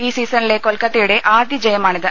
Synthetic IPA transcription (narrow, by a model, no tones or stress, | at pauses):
iːsiːsɐnileːkolkɐt̪ːejuɽeʔaːd̪jid͡ʒɐjɐmaːɳid̪ɨ